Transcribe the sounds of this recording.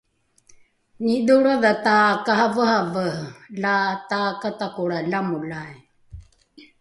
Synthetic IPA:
niduɽaðatakahavəhavəlatakatakuɽalamulaj

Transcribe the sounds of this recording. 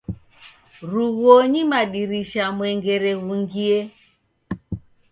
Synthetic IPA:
ɾuɣɔɲimaɗiɾiʃamwɛŋɡɛɾɛɣuŋɡiɛ

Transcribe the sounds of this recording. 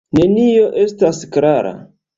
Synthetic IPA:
ne̞nio̞ʔe̞staskɾaɾa̰

